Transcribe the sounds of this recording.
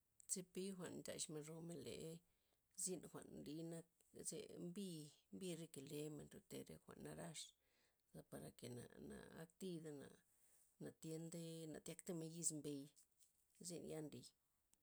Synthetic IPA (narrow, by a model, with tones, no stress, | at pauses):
t͡se˦pi˦xʷa˨nnt͡ʃa̰˨ʃme˧nɾo˧me˧˨lḛ˨ | zi˦nxʷa˨ʔnli˧˦na˦kzḛ˧mbi˦mbi˧ɾe˦ke˨le˧˦me˨nɾe˧t̪e˧˨ɾḛ˦˧xʷa̰˨ʔnːa˧ɾa˦ʂ | za˧pa˨ɾa˨ke˨na̰˨na̰˨a˦kt̪i˧d̪a˧na̰˨ | na˨t̪je˧˦nd̪e˦na˨t̪ja˦kt̪e˦me˧ji˧zmbe˧j | zi˦nja˦nɾi˧